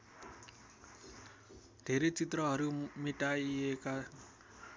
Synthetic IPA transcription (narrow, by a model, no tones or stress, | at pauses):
d̪̥ʱeɾet͡sit̪ɾɔɦʌɾimiʈʼaieka